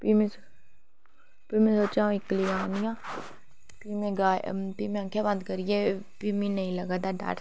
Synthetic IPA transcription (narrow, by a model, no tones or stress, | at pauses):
piːme | piːmẽsoːt͡ʃãːɪklijaːnɪjãː | piːmẽɡaːpiːmẽɐ̃ŋkʰjabãnd̪kəɾijepiːminɐɦĩlɐɡaːd̪aːɖa̰ːʈ